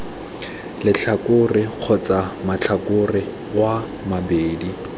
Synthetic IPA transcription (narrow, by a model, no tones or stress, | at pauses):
lɪt͡ɬʰakʼʊrɪq͡χʰɔt͡sʼamat͡ɬʰakʊrɪ | wa | mabeːdi